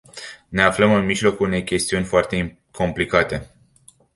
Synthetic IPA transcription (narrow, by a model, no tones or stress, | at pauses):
ne̞afləmɨnmiʒlo̞kuune̞jkʲe̞st̪iunʲfoart̪e | kʰo̞mplikat̪e̞